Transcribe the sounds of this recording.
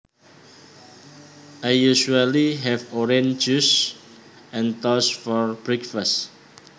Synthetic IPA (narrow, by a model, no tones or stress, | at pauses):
ʔajjuʃualiɦɛfɔɾẽnd͡ʒus | ʔɛ̃nt̪ɔsfɔɹb̥ɹɛkfas